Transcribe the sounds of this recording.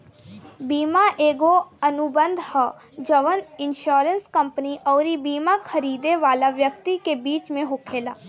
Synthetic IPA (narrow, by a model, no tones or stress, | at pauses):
biːmaʔeːɡoɐnʊbə̃nd̪ʱhə | d͡ʒəʋənɪ̃nʃoːɾənskɐ̃mpniʔɔːɾibiːmakʰəɾiːd̪eʋaːlaʋjək̚t̪ikebiːt͡ʃmẽɦokʰeːlaː